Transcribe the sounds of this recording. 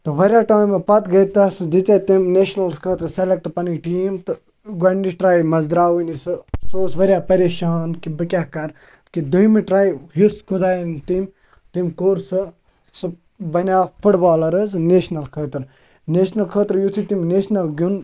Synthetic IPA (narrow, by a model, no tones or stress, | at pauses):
t̪ɨʋɐɾʲjaːʈaːjmɐpɐt̪ɡɐjt̪ɐsd̪it͡ʃɐt̪imneːʃnɐlskʰəːt̪ɾselek̚ʈpɐniʈiːmt̪ɨ | ɡɐɳɖiʃʈɾaːjmɐzd̪ɾaːʋunisɨsoːsʋɐɾʲjaːpɐɾeːʃaːnkibɨkʲakɐɾ | kid̪ujmiʈɾaːjɦiskʰud̪aːnt̪im | t̪imkoːɾsɨ | sɨ | bɐnʲjaːfuʈbaːlɐɾɨzneːʃnɐlkʰəːt̪ɾ | neːʃnɐlkʰəːt̪ɾjut̪ʰit̪imneːʃnɐlɡʲun